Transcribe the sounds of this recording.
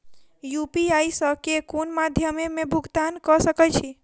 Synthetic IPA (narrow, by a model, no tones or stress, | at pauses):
jupiaisəkekunmad̪ʱjəmemẽbʱuɡt̪ankɔsəkət͡ʃʰi